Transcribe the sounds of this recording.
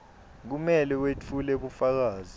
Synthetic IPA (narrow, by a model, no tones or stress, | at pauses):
k̬umɛlɛwet͡fʰuleɓufak̬aːzi